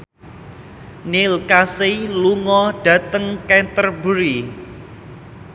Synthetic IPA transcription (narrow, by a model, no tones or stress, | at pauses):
nilkaseluŋɔɖ̥ä̤t̪əŋkɛnt̪ərbuɾi